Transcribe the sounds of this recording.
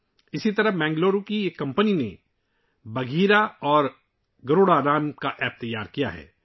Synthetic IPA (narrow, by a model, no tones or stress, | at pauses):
ɪsit̪ɐɾəɦmɛ̃ːŋɡloːɾokiekːɐ̃mpəninḛ | bɐɡʱiːɾaɔːɾ | ɡɐɾoːɽaɾaːmkaʔɛːp̚t̪ɐjːaːɾkija̰ɦɛ̰ː